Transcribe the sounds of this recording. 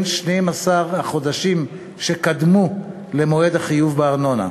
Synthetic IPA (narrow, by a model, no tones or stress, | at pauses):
nʃnejmasaʁaχo̞d̪aʃim | ʃe̞kad̪mu | lemoed̪haχijuvbeaʁno̞na̰